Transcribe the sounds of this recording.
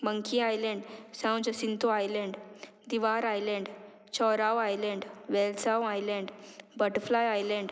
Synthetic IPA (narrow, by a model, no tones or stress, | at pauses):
məŋkʰiajlɛ̃ɳɖsãw̃d͡ʑəsint̪oajlɛ̃ɳɖ | d̪iʋaɾajlɛ̃ɳɖ | t͡ɕɔɾawajlɛ̃ɳɖʋelsawajlɛ̃ɳɖbəʈəflajajlɛ̃ɳɖ